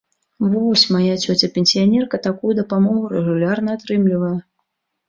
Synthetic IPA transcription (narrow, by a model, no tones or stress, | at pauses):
vɔsʲmajat͡sʲɔt͡sʲɐpʲɛnʲsʲijanʲɛrkɐt̪akujud̪ɐpamɔɣuɾɛɣulʲarnɐːt̪ɾɨmlʲivɐjɛ